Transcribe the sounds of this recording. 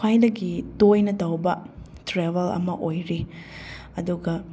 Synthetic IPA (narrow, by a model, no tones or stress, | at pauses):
kʰajdɐɡitojnɐtɐwbɐ | tɾeβɐlɐ̰mɐʔojɾi | ɐduɡɐ